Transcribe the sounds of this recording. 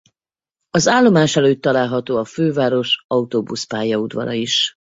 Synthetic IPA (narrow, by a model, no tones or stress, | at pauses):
ɒzaːlːo̞maːʃɛløːt̪ːɒlaːlɦɒt̪oːɒføːvaːɾo̞ʃɒut̪oːbuspaːjɒud̪vɒ̰ɾɒ̰iʃ